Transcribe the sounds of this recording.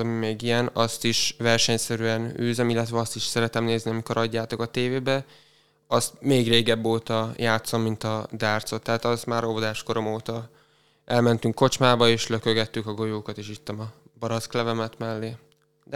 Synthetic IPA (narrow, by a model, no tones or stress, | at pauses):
ɒmimeːɡijɛnɒst̪iʃvɛrʃɛɲsɛɾyɛnyːzɛmilːɛt̪ʋɛɒst̪iʃsɛɾɛt̪ɛmneːzniɒmiko̞ɾɒɟːaːt̪o̞kɒt̪eːveːbɛ | ɒst̪meːɡreːɡɛbːoːt̪ɒjaːt̪so̞mːint̪ɒd̪aːrt̪so̞t̪ːaɦːt̪ɒzmaːɾobod̪aːʃko̞ɾo̞moːt̪ɒ | ʔɛlmɛnt̪yŋkːo̞t͡ʃmaːbɒeːʃløkøɡɛt̪ːykɒɡo̞joːkɒt̪eːʃit̪ːɛmɒbɒɾɒsklɛvɛmɛt̪mɛlːeː | d̪